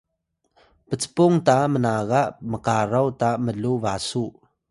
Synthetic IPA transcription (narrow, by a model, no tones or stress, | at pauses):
pət͡sə̥pɔŋt̪amənaːkaʔməkaːrɔwt̪aʔməluvasuʔ